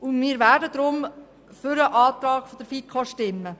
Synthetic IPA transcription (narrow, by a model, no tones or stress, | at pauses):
ʊnmiːɾʋæːdəd̪ɾʊm | fʏɾəʔɑːt̪ɾɑːɡ̥fod̥̪əɾfit̚kʰoʃtɪmːə